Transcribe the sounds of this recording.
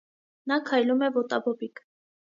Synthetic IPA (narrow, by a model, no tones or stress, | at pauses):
nɑkʰɑjlumɛvɔt̪ɑbɔbik